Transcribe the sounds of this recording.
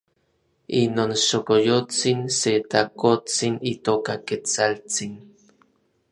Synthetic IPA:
inonʃokojot͡sinset̪akot͡sinit̪okaket͡salt͡sin

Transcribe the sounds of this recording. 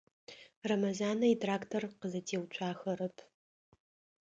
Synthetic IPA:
rɐmɐzaːnɐitʰʼraːktʰorqəzɐtʰeːwt͡ʃʷʰʼaːxɐɾɐpʰ

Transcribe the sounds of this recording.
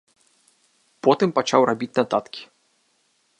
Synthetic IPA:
pɔt̪ɨmpat͡ʂa̰wrabʲit͡sʲnat̪at̪kʲi̥

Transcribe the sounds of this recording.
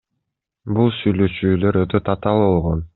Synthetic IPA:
bulˠsyjløʃyːløɾøt̪ʰøt̪ʰɑt̪ɑlˠbo̞lˠʁon

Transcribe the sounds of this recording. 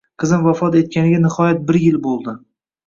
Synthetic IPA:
qʰɨzɪmvafɒt̪e̞t̪̚kʲanɪɡʲanɪhɒjat̪̚bɪɾjɪlbolˠd̪ɪ

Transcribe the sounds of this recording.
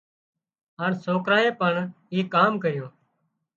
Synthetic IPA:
ɦaːɳsoːkɾaːeːpəɳ | iːkaːmkəɾjoː

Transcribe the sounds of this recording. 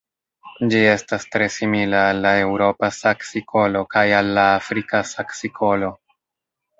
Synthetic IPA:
d͡ʒie̞stastɾe̞similaːlːae̞wɾo̞pasaksiko̞lo̞kajalːaːfɾikasaksikʰo̞lo̞

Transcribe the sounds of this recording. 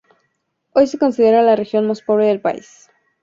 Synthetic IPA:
o̞jse̞ko̞nsiðe̞ɾalarexjo̞nmaspo̞β̞ɾe̞ðe̞lpa̰ḭs

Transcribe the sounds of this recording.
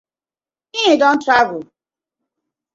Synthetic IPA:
iidɔ̃n̩tɾavʊ

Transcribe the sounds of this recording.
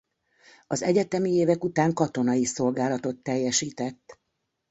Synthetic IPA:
ɒzɛɟɛt̪ɛmieːvɛkut̪aːŋkɒt̪o̞nɒjiso̞lɡaːlɒt̪o̞t̪ːɛjːɛʃiːt̪ɛt̪ː

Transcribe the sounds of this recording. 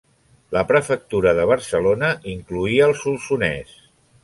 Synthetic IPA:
ləpɾəfək̚t̪uɾəðəβ̞əɾsəlonəʔiŋkluiəːlˠsulˠsunɛ̰s

